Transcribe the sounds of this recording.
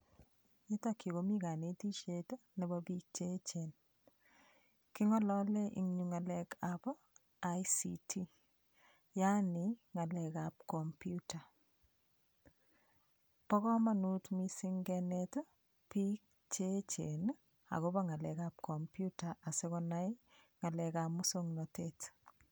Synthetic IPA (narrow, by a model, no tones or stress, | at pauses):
itɔkːikomikanetit͡ʃetonɛbɔpik̚t͡ʃet͡ʃen | kiŋɔlɔlɛʔḭŋɲuŋalɛkabɔ | ajsḭtʰi | janiŋalɛkap̚kɔmpjuta | pɔkɔmanutmisiŋɡɛnɛto | pik̚ | t͡ʃet͡ʃen | a̰kobɔŋalɛkap̚kɔmpjutaasekɔnajŋalɛkamʊsoŋnɔtet